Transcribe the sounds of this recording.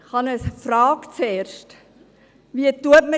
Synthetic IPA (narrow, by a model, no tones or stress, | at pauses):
χɑnəsfɾɑːkt͡seːɾʃt | ʋiətuətmə